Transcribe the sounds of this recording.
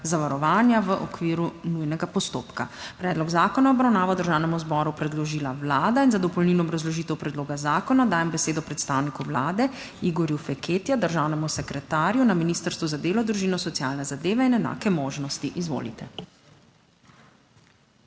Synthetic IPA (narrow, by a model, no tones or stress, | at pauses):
zaʋaɾɔʋaːnjaʋəʔɔkʋiːɾunujnɛɡapɔst̪o̰ːpkapɾɛːd̪lɔɡzaːkɔnaɔbɾawnaːʋad̪əɾʒaːwnɛmuzbɔɾupɾɛd̪lɔʒiːlaʋlaːd̪ainzad̪ɔpɔlniːnɔːbɾazlɔʒiːt̪ɛwpɾɛd̪loːɡazaːkɔnad̪aːjɛmbɛseːd̪ɔpɾɛt̪st̪aːwnikuʋlaːd̪ɛ | iɡɔɾjufɛkʰeːt̪jad̪əɾʒaːwnɛmusɛkɾɛt̪aːɾjunaminiːst̪əɾst̪ʋuzad̪eːlɔd̪ɾuʒiːnɔsɔt̪ija̰ːlnɛzad̪eːʋɛinɛna̰ːkɛmoːʒnɔst̪iʔizʋo̰ːlḭt̪ɛ